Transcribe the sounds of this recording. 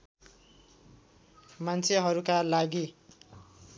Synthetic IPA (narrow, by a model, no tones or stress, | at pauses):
mant͡sʰeɦʌɾukalaɡi